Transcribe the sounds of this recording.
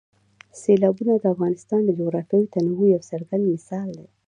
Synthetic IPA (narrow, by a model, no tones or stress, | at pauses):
selɑbunad̪əafɣɑnɪst̪ɑnd̪əloɾakəjot̪anawujawsaɾɡand̪mɪsɑld̪a